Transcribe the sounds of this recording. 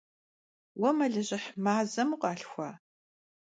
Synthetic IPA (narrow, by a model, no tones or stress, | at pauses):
wɔmɐɮɨʑɪħmaːzɐmuqʼɑːɬxʷɑː